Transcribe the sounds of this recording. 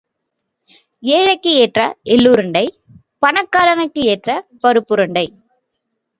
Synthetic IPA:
eːɻɐɪkːɯeːʈrɐɛlːuːɾɯɳɖɐɪ | pɐnɐkːaːɾɐnɐkːɯeːʈrɐpɐɾɯpːɯɾɯɳɖɐɪ

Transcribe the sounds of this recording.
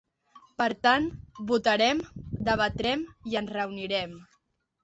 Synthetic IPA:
pəɾt̪anbut̪əɾɛmd̪əβət̪ɾɛmiənrəwniɾɛm

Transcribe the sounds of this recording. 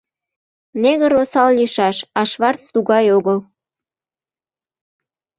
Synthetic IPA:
neɣəɾosɑlliʃɑʃɑʃβɑrt̪t͡st̪uɣɑjoɣəl

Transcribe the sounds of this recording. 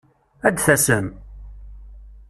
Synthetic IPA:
æd̪θæsəm

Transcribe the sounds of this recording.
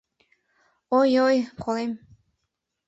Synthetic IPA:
ojojkʰolem

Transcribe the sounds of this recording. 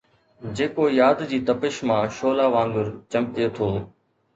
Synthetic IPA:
d͡ʑeːkojaːd̪d͡ʑiːt̪ɐpɪʃmãːʃoːlaːʋãːŋɡʊɾt͡ɕɐmt̪ɪjot̪ʰoː

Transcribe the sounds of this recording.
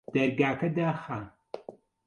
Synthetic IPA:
d̪̥ɐɾɡaːkɐd̪aːxa

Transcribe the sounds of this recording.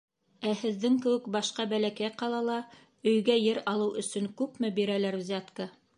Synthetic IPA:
æhɘ̆ðːɘŋkɘ̆wɘkbɑʃqɑbælækæjqɑlˠɑlˠɑ | ɵ̆jɡæjɘɾɑlˠɤwʔɵ̆sɵŋkʉpmɘbiɾælæɾzʲat̪kɤ

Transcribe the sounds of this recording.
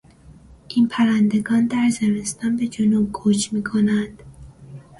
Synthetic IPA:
ʔiːnpʰæɾænd̪e̞ɡɒːnd̪æɾzemest̪ɒnbe̞d͡ʒonub̚ɡʰot͡ʃmiːkʰo̞nænd̪̥

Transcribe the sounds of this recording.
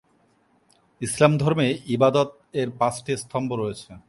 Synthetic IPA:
islamd̪ʱɔɾmeibad̪ot̪̚ | eɾpãt͡ɕʈist̪ʰɔmboɾɔjet͡ɕʰe

